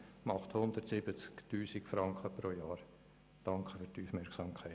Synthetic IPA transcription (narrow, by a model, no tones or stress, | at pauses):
mɑχt̪hʊnd̪əɾtsɪbət͡sktuːsikfɾɑŋkχəpɾoːjɑːɾ | d̥ɑŋkχəfyɾtuːfmɛɾksɑːmkʰɛɪ